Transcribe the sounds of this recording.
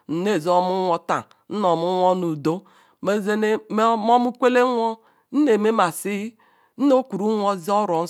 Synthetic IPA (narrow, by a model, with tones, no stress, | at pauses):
n̩˨ne˦˨zɔ˦mu˦ŋʷɔ˦ta̰˨ | n̩˦nɔ˨mu˦ŋʷɔ˦nu˨do˦ | me˦ze˦ne˦mɔ˦mu˦kʷe˦le˦ŋʷɔ˦ | n̩˦ne˨me˦ma˨si˦ | n̩˦no˦kʷu˨ɾu˦ŋʷɔ˦zi˦ɔ˦ɾɔ˨n̩˦